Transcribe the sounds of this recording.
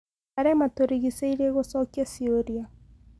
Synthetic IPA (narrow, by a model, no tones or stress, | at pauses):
aɾɛmatoɾiɣisaiɾeɣosɔkiasioɾia